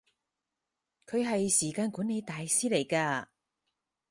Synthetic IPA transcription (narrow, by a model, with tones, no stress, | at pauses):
kʰɵ˨˧ɥɦɐ˨jsiː˨˩kaː˧nkuː˨˥nːe˨˧jt̪aː˨jsiː˥le˨˩jkaː˧